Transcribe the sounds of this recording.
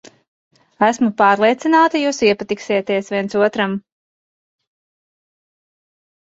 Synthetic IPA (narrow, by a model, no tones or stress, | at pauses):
æsmupaːɾlˠiɛt̪sinaːt̪ajuːsiɛpat̪iksit̪iɛsviɛnsuɔt̪ɾam